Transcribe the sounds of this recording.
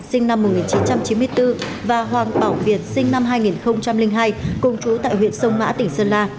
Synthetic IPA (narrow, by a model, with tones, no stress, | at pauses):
sï˧ŋ̟na˧mːʊ˨˩ŋi˨˩nt͡ɕi˨˦nt͡ɕa˧mt͡ɕi˨˦nmɨ˧əjt̪ɨ˧vaː˨˩ɦwaː˨˩ŋɓaː˧˩wvi˨˩ət̚sï˧ŋna˧mɦaː˧jŋi˨˩nxə˧wŋ͡mt͡ɕa˧mlï˧ŋ̟ɦaː˧jkʊ˨˧˩wŋ͡mt͡ɕu˨˦t̪a̰ː˧˨jɦwḭ˧˨ənsə˧wŋ͡mma̰ː˧˥t̪ï˧˩ŋ̟səː˧nlaː˧